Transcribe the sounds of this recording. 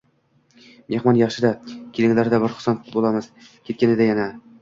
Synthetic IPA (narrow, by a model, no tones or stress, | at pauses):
mehmɒnjɑχʃɪd̪akʲʰilɪŋlaɾd̪abɪɾχʊ̥sɑnbolˠamɨz̥ | kʲʰet̪̚kʲanɪd̪ajana